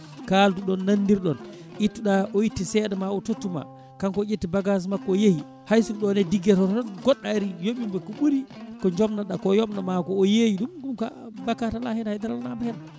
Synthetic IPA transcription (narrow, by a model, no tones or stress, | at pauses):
kaːltuɗɔnːanːdiɾɗɔn | ʔitːuɗaɔjitːisɛdɛmaɔtotːuma̰ | kankɔd͡ʒetːibaɡas̬makːɔjehi | hajsuɗɔnɛdiɡːɛtɔtɔɔnɡɔɗːaɾijoɓimbakːuɓuɾikɔɲd͡ʒɔmnaɗakɔjɔmnamakɔːjejiɗumɡumka̰bakatalahinahajdaɾalnabɛhɛna